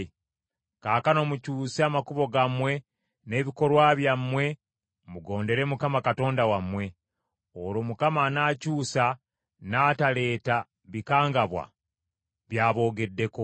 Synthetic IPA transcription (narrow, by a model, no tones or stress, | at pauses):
kaːkano̞mucuːseamakuβo̞ɡamwe̞ | ne̞ːβiko̞ɾwaβjamːwe̞ | muɡo̞ːnde̞ɾe̞mukamakato̞ːndawamwe̞ | olomukamanaːcuːsa | naːtale̞ːta | βikaːŋɡaβwa̰ | βjaːβo̞ːɡe̞dːe̞ko̞